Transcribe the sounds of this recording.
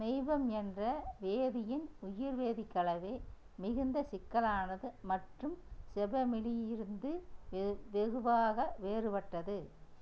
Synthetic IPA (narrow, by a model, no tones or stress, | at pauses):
nɛɪʋɐmɛndrɐʋeːðɪjɪnʊjɪɾʋeːðɪkːɐɭɐʋeː | mɪɣɯnd̪ɐsɪkːɐlaːnɐðɯmɐʈrɯmsɛbɐmɪlɪjɪɾɯnd̪ɯ | ʋɛɣɯʋaːɣɐʋeːrɯpɐʈːɐðɯ